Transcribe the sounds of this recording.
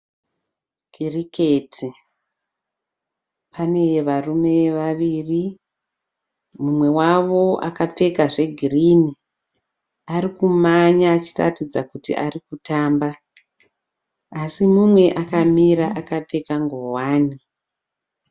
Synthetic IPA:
ɡiriketʰi | pane̞jeʋarume̞ʋaʋiri | mumwe̞waʋo̞ʔa̰kap͡fe̞kaʐe̞ɡʱirini | aɾikumaɲaːt͡ʃira̰tid͡zakutḭʔarikutaːmba | asimumwe̞ʔakamiɾaʔakap͡fe̞kaŋɡowaːni

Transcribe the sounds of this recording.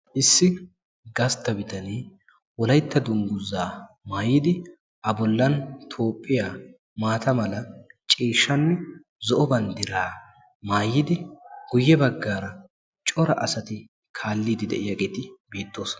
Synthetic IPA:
ʔɪsːɪ | ɡɐst̪ːɐbɪt̪ɐneː | wɔlɐjt̪ʰːɐd̪ʊŋɡʊzːaː | maːjɪd̪ɪ | ʔɐbɔlːɐnt̪ʰo̞ːpʼːɪjaː | maːt̪ɐmɐlɐt͡ʃʼiːʃːɐnːɛ | zɔʔɔbɐnd̪ɪɾaː | maːjːɪd̪ɪɡ̥ʊjːɛbɐɡːaːɾɐ | t͡ʃʼɔɾɐ̰ʔɐsɐt̪ɪ | kʰaːlːiːd̪ɪd̪ɛ̰ʔɪjɐɡeːt̪ɪbe̞ːt̪ʼːo̞ːs

